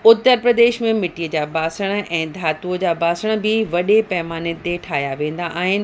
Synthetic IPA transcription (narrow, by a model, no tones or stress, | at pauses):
ʊt̪ːəɾpɾəd̪eːʃmẽmɪʈijəd͡ʑaːbaːsəɽ̃̆ʔɛ̃ːd̪ʱaːt̪ud͡ʑaːbaːsəɽ̃ə̆bɪʋɐɗepɐmaːnɪt̪eʈʰaːɦijaʋẽːn̆d̪aʔaːɦɪnɪ̆